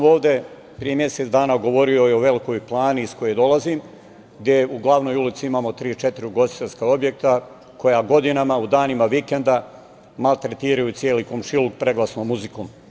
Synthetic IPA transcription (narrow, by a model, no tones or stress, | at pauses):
mo̞ːʋd̪e̞ | pɾije̞mje̞set̪d̪aːnaɡo̞ʋo̞ɾio̞io̞ʋe̞liko̞jplˠaːniːskojed̪o̞lˠazim | ɡd̪ʲje̞uɡlˠaʋnojulit̪siimamo̞t̪ɾiːt͡ʃet̪iɾiɡo̞st̪i̥t̪e̞ʎʲskao̞bje̞k̚t̪a | ko̞jaɡo̞d̪inamaud̪aːnimaʋikend̪a | malˠt̪ɾet̪iːɾajut̪sjeːlikomʃilukpɾe̞ɡlˠasnomːuzikom